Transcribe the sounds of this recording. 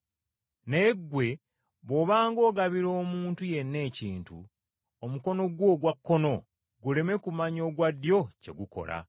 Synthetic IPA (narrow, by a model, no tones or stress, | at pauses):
ne̞ɡwe̞ | βo̞βaːŋɡo̞ːɡaβiɾo̞ːmuːntuje̞nːe̞ːciːntṵ | omuko̞no̞ɡwo̞ɡwakːo̞no̞ | ɡule̞me̞kumaɲo̞ːɡwadjo̞ce̞̰ɡuko̞̰la̰